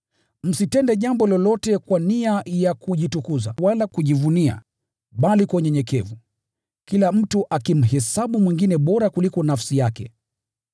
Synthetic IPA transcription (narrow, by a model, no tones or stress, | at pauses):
m̩sitɛndɛʄambɔlɔlɔtɛkwaniajakuʄitukuza̰walakuʄivunia̰ | ɓalikwɛɲɛɲɛkɛvu | kilam̩tuʔakim̩ɦɛsaɓumwiŋɡinɛɓɔɾakulikɔnafsijakɛ̰